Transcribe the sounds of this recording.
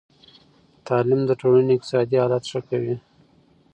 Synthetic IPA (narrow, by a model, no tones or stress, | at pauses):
t̪ɑlɪmd̪əʈoləneɪk̚t̪ɪ̥sɑd̪ihɑlat̪ʂəkawi